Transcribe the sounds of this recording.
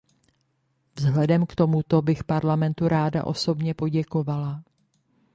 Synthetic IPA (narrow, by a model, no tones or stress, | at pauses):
vzɦlɛdɛmkt̪o̞mut̪obɪxpaɾlamɛnt̪uɾaːda̰ʔo̞so̞bɲɛpo̞ɟɛko̞vala